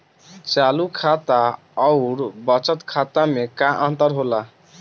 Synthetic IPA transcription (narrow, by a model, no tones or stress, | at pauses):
t͡ʃalukʰat̪a | ʌʊɾbʌt͡ʃət̪kʰat̪amekãʔənt̪əɾɦola